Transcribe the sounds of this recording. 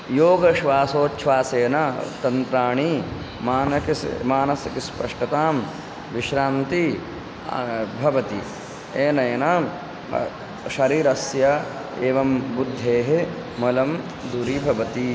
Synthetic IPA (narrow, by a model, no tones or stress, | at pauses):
joːɡɐʃʋaːsoːtːʃʋaːseːnɐt̪ɐnt̪ɾaːɳi | maːnɐkḭmaːnɐsjɐkispɐʂʈɐt̪aːm | ʋiʃɾaːnt̪i | bʱɐʋɐt̪i | eːnɐjɐnaːm | ʃɐɾiːɾɐsjɐ | eːʋɐmbud̪ʱːeːɦe | mɐlɐm | d̪uɾibʱɐʋɐt̪i